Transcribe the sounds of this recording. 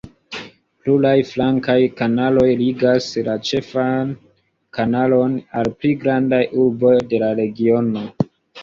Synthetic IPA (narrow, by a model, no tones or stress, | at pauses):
plulajflaŋkajkanalo̞jliɡaslat͡ʃe̞fan | kanalo̞nalpliɡɾandajʔuɾbo̞jde̞laɾe̞ɡio̞no̞